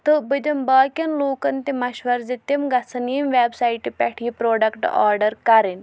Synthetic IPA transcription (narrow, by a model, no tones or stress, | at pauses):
t̪ɨbɨd̪ɐmbɐːkʲɐnloːkɐnt̪imɐʃʋɐɾzit̪imɡɐt͡sʰɐniːmʋeːbsaiʈipʲɐʈʰiːpɾoːɖɐkʈa̰ːɾɖɐɾkɐɾin